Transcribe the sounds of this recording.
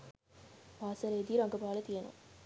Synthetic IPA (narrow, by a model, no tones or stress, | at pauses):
maːsɐɾɐid̪iɾɐŋɡɐbaːlɐt̪ijɐno̰